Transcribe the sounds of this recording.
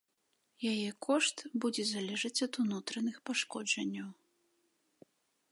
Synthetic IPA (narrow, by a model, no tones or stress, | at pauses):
jajɛkʰɔʂt̪bud͡zʲɛzalʲɛʐɐt͡sʲɐt̪unut̪ɾɐnɨxpaʂkɔd͡ʐɐnʲːɐw